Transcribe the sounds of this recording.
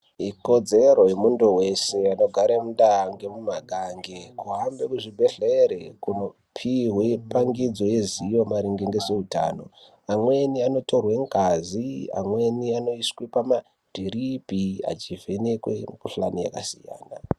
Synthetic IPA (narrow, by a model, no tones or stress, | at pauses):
iko̞d͡ze̞ɾo̞jemundowe̞se̞ano̞ɡʱaɾemundaŋɡemumaɡʱaŋɡekuɦambekuʐibʱeɬeɾekuno | pʰiwepaŋɡid͡zo̞je̞zijo̞maɾiŋɡeŋɡezeuta̰ːno̞̰ | amwe̞niano̞to̞rwe̞ŋɡazia̰mwe̞niano̞iswipama | d̥ʱiɾipia̰t͡ʃivʱe̞nekwḛkuɬanija̰kasḭja̰ːna̰